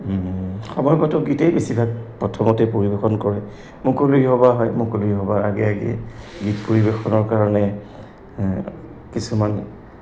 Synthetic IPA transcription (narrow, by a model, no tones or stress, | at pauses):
xɔmɔjɡɔtɔɡitejbesibʱak̚pɹɔtʰɔmɔtɛpoɹibexɔnkɔɹɛ | mʊkoluiɦɔbaɦɔjmukoluiɦɔbaɹaɡɛaɡɛ̰ɡitpoɹibexɔnɔɹkaɹɔnɛ | kisuman